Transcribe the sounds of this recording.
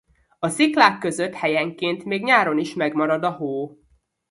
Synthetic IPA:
ɒsiklaːkːø̞zøt̪hɛjɛŋkeːnt̪meːɡɲaːɾo̞niʃmɛɡmɒɾɒd̪ɒɦoː

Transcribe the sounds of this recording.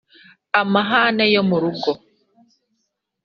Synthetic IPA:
amaɦaːnajomuɾuɡo

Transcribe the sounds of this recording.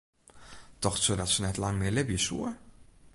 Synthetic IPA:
tɔxsodɔtsənɛtlɑŋmɪlɪbjəsṵə

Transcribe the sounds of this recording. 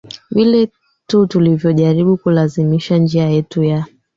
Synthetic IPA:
vilɛ | tutulivjɔʄaɾiɓukulazimiʃand͡ʒiajɛtuja

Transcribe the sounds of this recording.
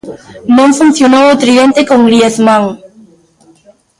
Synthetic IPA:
nõŋfun̟θjonowot̪ɾiẽnt̪ekõŋɡɾieθmãŋ

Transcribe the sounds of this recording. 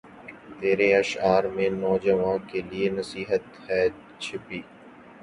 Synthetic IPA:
t̪eːɾeɐʃaːɾmẽnɔːd͡ʒəʋãːkelienɐsiːɦət̪hɛː | t͡ʃʰɪpiː

